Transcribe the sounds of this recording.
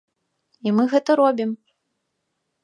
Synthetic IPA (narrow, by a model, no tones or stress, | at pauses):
imɨɣɛt̪ɐɾɔbʲim